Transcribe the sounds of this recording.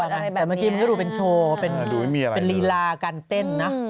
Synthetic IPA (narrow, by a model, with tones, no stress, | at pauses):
ɔ˨˧˩ka˧t̪ːmaː˥˩kiː˧m˧nkɔ˥˩d̪uː˧˩pe˧nt͡ɕʰoː˧pe˧n˧duː˧ma˥˩miː˧a˧pe˧nliː˧laː˧kaː˧nt̪e˥˩nːa˦˥